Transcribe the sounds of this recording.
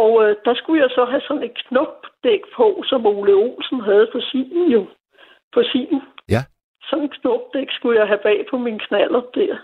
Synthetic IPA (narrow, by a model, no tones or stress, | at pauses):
ɒʊød̥ɑ̈sɡ̥ujasɒ̽ɦæsɒ̽ne̝d̥̚kʰnɔb̥̚d̥eɡ̥pʰɔ̽sɒ̽moləo̝̰ːlsn̩ɦæð̞̩ˠfɒ̽sḭːn̩jo̝ | fɒ̽sḭːn̩ | sɒ̽ne̝dkʰnɔb̥̚d̥eɡ̥sɡ̥ujɑ̈ɪɦæb̥ɛ̰ːpʰɒ̽minkʰnæl̰ɐd̥æɐ̰